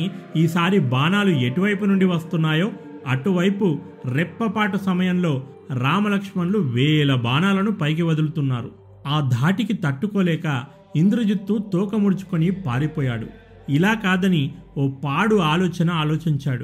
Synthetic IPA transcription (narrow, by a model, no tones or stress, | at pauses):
iːsaːɾibaːnaːlueʈiʋɐjpunuɳɖiʋɐst̪unːaːjo̞ː | ɐʈuʋɐjpu | ɾɛpːɐpaːʈɐsɐmɐjɐmlo̞ː | ɾaːmɐlɐkʂmɐnluʋɛːlɐbaːnaːlɐnupɐjk̬iʋɐd̪ulut̪unːaːɾu | aːd̪ʱaːʈikit̪ɐʈːukoːlɛːkɐ | ind̪ɾɐd͡ʒit̪ːut̪ɔːkɐmuɽut͡ʃu̥konipaːɾipɔːjaːɽṵ | ilaːkaːd̪ɐnioːpaːɽuaːlɔːt͡ʃɐnɐaːlɔːt͡ʃiɲt͡ʃaːɽu